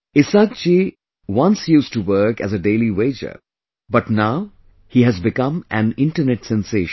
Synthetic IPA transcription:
ɪsaːk̚t͡ʃi | wʌ̃nsjuːsʈuwəɾkæ̰zəɖeɪliweɪd͡ʒə̰ | bʌʈnaʊ | hiɦæzbɪkʌ̃mʔæ̃nɪ̃ɳʈəɾnɛʈsɛ̃nseʃ

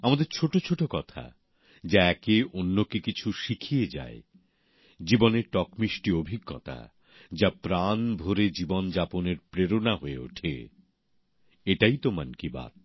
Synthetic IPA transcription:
amad̪eɾt͡ɕʰoʈot͡ɕʰoʈokɔt̪ʰa̰ | d͡ʑaɛkeʔonːokikit͡ɕʰuʃikʰied͡ʑa̰e | d͡ʑiboneɾʈɔkmiʃʈiobʱiɡːɔ̰t̪a̰ | d͡ʑapɾanbʱoɾed͡ʑibond͡ʑaponeɾpɾeɾonaɦoeo̰ʈʰḛ | eʈajt̪omankiba̰t̪̚

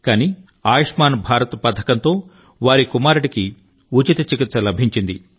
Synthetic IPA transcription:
kaːniː | aːjɐʂmaːnbʱaːɾɐt̪ɐpɐd̪ʰʱɐkɐnt̪o̞ː | ʋaːɾikumaːɾuɽiki | ut͡ʃit̪ɐt͡ʃikit̪sɐlɐbʱiɲt͡ʃind̪i

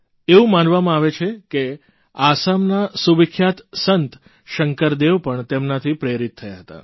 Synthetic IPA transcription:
eũmanʋamãaʋet͡ʃʰeke | asamnasuʋikʰːjat̪sənt̪ | ʃəŋkəɾd̪eʋpəɳt̪emnat̪ʰipɾeɾit̪ʰːəjaɦət̪a̰

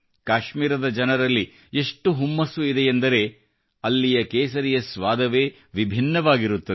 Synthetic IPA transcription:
kaːʃmiːɾɐd̪ɐd͡ʒɐnɐɾɐlːi | eʂʈuɦumːɐsuid̪eːnd̪ɐɾe̞ː | ɐlːijɐkeːsɐɾijɐsʋaːd̪ɐʋe̞ː | ʋibʱinːɐʋaːɡiɾut̪ːɐ

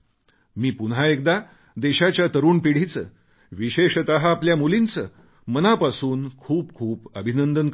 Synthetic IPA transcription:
miːpunɦaek̚d̪a | d̪eɕat͡ɕjat̪əɾuːnpiɽ̤it͡sə̰ː | ʋiɕeɕt̪aɦaːpljamulint͡səː | mənapasuːnkʰuːp̚kʰuːbəbʱinənd̪ənk

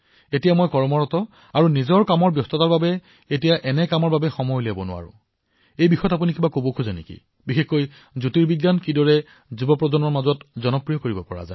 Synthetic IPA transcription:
etijamojkɔɹmɔɹɔtɔ | aɹunizɔɹkamɔɹbjɔstʰɔtaɹbabɛ | etijaʔɛnɛkamɔɹbabɛxɔmɔjlabɔnʊ̰a̰ɹʊ̰̃ | ejbixʰɔjɔtap̬unikibakobokʰuzanḛkḭ | bixexkːoj | zutiɹbiɡːankidɔɹɛ | zibɔpɹɔzɔnmɔɹmazɔtzɔnɔpɹijɔkoɹibɔpɔɹa̰za

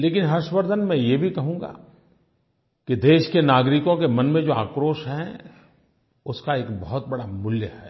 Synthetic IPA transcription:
leːkɪnɦɐɾʃwəɾd̪ʱənmɛ̃jebʱikɐɦũːɡa̰ː | kid̪eːʃkenaːɡɾɪkõk̬emɐnmẽd͡ʒoːa̰ːkɾoːʃɦɛ̃ | ʊskaeːkbɐɦʊt̪̚bɐɽamʊljəhɛː

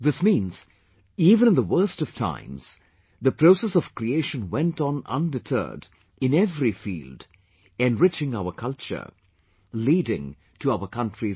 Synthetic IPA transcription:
ðɪsmĩnz̥ | iːvɨ̃ñɨ̃nðəwɜ˞stʌv̥tʰã̰ɪ̃mz̥ | ðɨpʰɹ̥oʊsɛsʌv̥kɹ̥ieɪʃə̃nwɛ̃ntn̩ʌ̰̃ndɨtʰɜ̰˞d | ɨ̃nɛvɹifḭːlˠd | ɛ̃nɹɪt͡ʃɪ̃ŋaʊəkʰʌlˠt͡ʃə̰˞ | liɾɪ̰̃ŋ | tʰɨaʊə˞kʰʌ̃ntɹ̥i

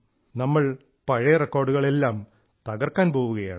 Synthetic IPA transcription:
nɐmːɐɭ | pɐɻɐrekːo̞ːrɖuɣɐɭelːaːm | t̪ɐɣɐrkːaːnpo̞ːʋuɣɐja̰ːɳ

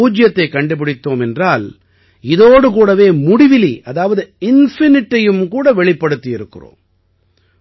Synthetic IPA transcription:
uːd͡ʒjɐt̪ːɐɪkɐɳɖɯp̬ɪɽɪt̪ːoːmɛndraːl | ɪðoːɽɯk̬uːɽɐʋeːmʊɽɪʋɪliʔɐðaːʋɐðɯɪnfɪnɪʈːɐjɯmkuːɽɐʋɛɭɪpːɐɽɯt̪ːɪjɪɾɯkːɯɪro̰ːm

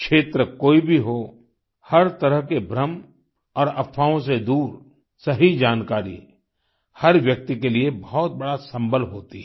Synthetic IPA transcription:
kʃeːt̪ɾəkoːibʱiɦo | hɐɾt̪ɐɾəɦkebʱɾəm | ɔːɾɐpʰːaːõsed̪uːɾ | sɐɦid͡ʒaːnkaːɾḭ | hɐɾʋjɐk̚t̪ikeliebɐɦɔt̪̚bɐɽasɐ̃mbʱəlɦoːt̪iɦɛ

